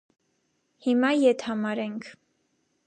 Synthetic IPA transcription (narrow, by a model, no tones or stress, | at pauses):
himɑjɛt̪ʰhɑmɑɾɛŋkʰ